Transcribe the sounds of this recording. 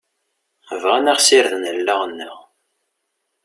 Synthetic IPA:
əvʁænæʁsɪɾðənəlːəʁənːəʁ

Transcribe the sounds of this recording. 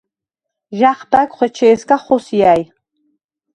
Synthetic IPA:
ʒaχbakʷʼχʷet͡ʃʰejskʼaχosjaːj

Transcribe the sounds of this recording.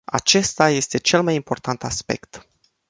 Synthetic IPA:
a̰t͡ʃe̞st̪aje̞st̪e̞t͡ʃe̞lmajimpo̞rt̪ʰant̪aspe̞̰kt̪

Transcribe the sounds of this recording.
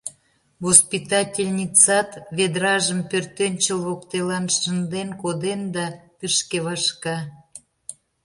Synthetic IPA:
vospit̪ɑtʲelʲnʲit͡sɑt̪βed̪rɑʒəmpørt̪enʲt͡ɕəlβokt̪elɑnʃənd̪enkod̪end̪ɑt̪əʃkeβɑʃkɑ

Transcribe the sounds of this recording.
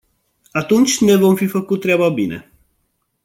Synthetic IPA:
at̪unt͡ʃʲne̞vo̞mfifəkut̪̚ːɾʲeababine̞̰

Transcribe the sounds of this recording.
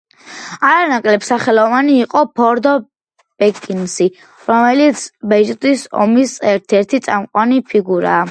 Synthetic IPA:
aɾanakʼlɛpsaχɛlˠɔvaniːqʼɔpʰɔɾd̪ɔ | b̥ɛkʼinsi | ɾɔmɛlit̪sʰbɛd͡ʒt̪ʼisɔ̰misɛɾt̪ʰɛɾt̪ʰit̪sʼamqʼwanipʰiɡuɾa̰ː

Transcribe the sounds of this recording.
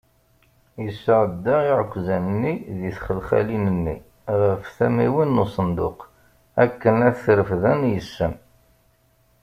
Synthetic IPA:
jəsːəʕəd̪ːaiʕəkʷːzænənːiðiθχəlχæ̰linənːi | ʁəfθæmiwinːusˤənd̪ʊ̰q | ækːənæθθɾəfðænjəsːəm

